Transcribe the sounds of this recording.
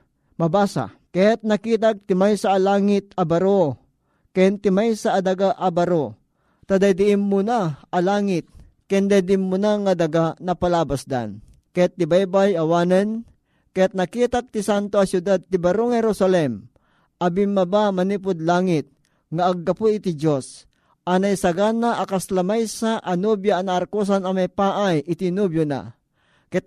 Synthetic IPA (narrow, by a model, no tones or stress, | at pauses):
mɐbaːsa̰ | kajat̪̚nɐkiːt̪̬ak̚t̪ɪmajsaʔːlaːŋɪt̪̚ɐbɐɾo | kɛnt̪ɪmajsaʔːd̪aɡaʔɐbɐɾo | t̪ɐd̪ajd̪ɪʔɪmːʊnaʔɐlaːŋɪt̪̚ | kɛnd̪ajd̪ɪʔɪmːʊnaŋɐd̪aɡanɐpalaːbasd̪a̰n | kɐjat̪ːɪbajbajɐwaːnɛn | kɐjat̪̚nɐkiːt̪ak̚t̪isant̪oɐsjʊd̪ad̪̚t̪ibɐɾoŋhɛɾosalɛm | ʔɐbimːɐbamɐnip̬ʊd̪laːŋɪt̪̚ | ŋaʔːɡːɐpuit̪id͡ʒos | ʔɐnajsɐɡanaʔɐkaslɐmajsaʔɐnubjaːnaʔːɾkus̬anɐmɐjpaːʔajʔɪt̪inubjona̰ | k